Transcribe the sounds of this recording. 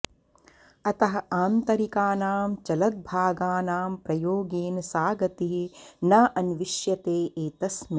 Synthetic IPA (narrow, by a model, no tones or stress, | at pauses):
ɐt̪ɐɦɐʔaːnt̪ɐɾikaːnaːmt͡ʃɐlɐd̪̚bʱaːɡaːnaːmpɾɐjoːɡiːnsaːɡɐt̪iɦinɐʔɐnʋiʃjɐt̪eːʔeːt̪ɐsmi